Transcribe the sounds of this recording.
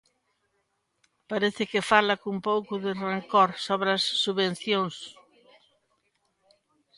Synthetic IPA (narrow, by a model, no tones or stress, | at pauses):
paɾeθɪkɪfalɐkumpowkʊðɪreŋkɔɾsoβɾɐsːuβen̟θjoŋs